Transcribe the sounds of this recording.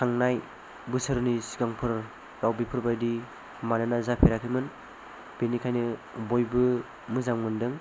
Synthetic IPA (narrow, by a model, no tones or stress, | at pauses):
kʰaŋnaj | bɯsɯɾnisi̥kaŋpʰɯɾ | ɡawbipʰɯɾbajdi | manɯnazapʰeɾakʰɯmɯn | b̥enikʰajnɯbojbɯ | mɯzammɯndɯŋ